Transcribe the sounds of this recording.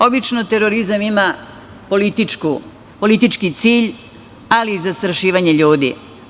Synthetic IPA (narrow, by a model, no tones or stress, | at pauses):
o̞bit͡ʃnot̪e̞ɾo̞ɾizamima | polit̪it͡ʃkṵ | po̞lit̪it͡ʃkit̪siːʎ | aliːzast̪ɾaʃiːʋaɲe̞ʎuːd̪ḭ